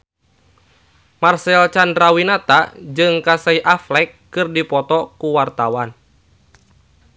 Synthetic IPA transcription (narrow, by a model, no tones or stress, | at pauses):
marsɛlt͡ʃandɾawinat̪ad͡ʒɨŋkasaiʔaflɛkː | ɨrdipɔt̪ɔkuwart̪awan